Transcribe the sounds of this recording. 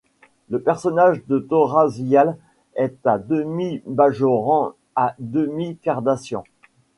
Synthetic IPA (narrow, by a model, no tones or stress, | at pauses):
ləpɛʁsɔnaʒd̪ət̪ɔʁazjal | ɛt̪ad̪əmibaʒɔʁɑ̃ | ad̪əmikaʁd̪asjɔ̃